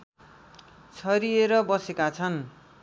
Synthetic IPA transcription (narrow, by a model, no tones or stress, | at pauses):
t͡sʰʌɾieɾʌbʌsekat͡sʰʌn